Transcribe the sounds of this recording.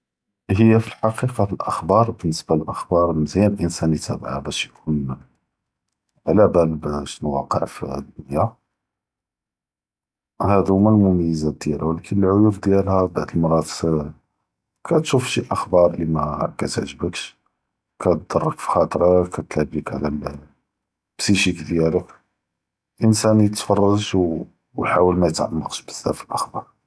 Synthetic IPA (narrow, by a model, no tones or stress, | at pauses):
həjːæfilħɑqiqɑfəlʔəxbɑɾˤbənːəsbæləlʔəxbɑɾˤməzjænəlʔənsænit̪æbʕa̰bæʃjkʰun | ʕlæbælbæʃnwɑ̰qə̰ʕfd̪ʊnjæ | hæd̪mælmʊmæjːəzad̪jælæwlækʰənəlʕʊjufd̪jælhæbaʕd̪əlmɑɾˤɑtsə | kʰæt̪ʃufʃiʔəxbɑɾˤlimækæt̪ʕʒəbəkʃ | kæd̪ɑrˤːəkfi̥xɑt̪ˤɾˤɑkæt̪ləbikʕlæ | b̥siʃikd̪jælək | ʔənsænijət̪fɑrˤːɑʃw | jħawəlmæjət̪ʕa̰mːɑqʃbə̥zːæ̰fəlʔəxbɑɾˤ